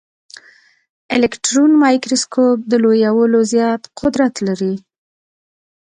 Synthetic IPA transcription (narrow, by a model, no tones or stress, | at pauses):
ɪlekʈɾonmɑjkɾoskʰop̚d̪əlojawəlozjɑt̪qʰʊd̪ɾat̪laɾi